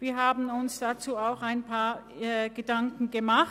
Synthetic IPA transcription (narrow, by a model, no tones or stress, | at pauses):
viːɐɦaːbn̩ʊnsd̥at͡suːaʊxaɪnpʰaːɐ | ɡ̥ədaŋkŋ̩ɡəmaχt